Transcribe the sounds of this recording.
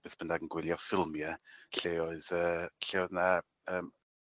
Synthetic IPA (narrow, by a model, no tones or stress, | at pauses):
b̥eːθb̥ənaɡənɡwɪlˠjɔfɪlˠmjaɬeːoɨðəːɬewðna | əːm